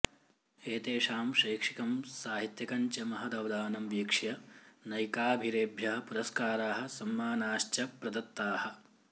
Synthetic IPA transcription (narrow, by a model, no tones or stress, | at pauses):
eːt̪eːʂaːmʃɐːkʂikɐmsaːɦit̪jɐkɐɲt͡ʃɐmɐɦɐd̪ɐʋd̪aːnɐmʋjekʂjɐnɐjkaːbʱiɾeːbʱjɐɦɐ̆puɾɐskaːɾaːɦɐ̆sɐmːaːnaːʃt͡ʃɐpɾɐd̪ɐt̪ːaːhɐ̆